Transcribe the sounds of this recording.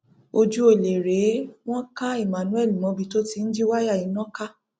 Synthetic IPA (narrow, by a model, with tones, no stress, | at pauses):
o˧d͡ʒu˦o˦˨le˨ɾe˨˦w̃ɔ̃˦ka˦i˦˨mã˨nũ˦ɛ˦˨lĩ˨mɔ̃˧˦bi˧˨to˦ti˧n̩˦d͡ʒi˦wa˦ja˦˨i˨˦nɔ̃˦ka˦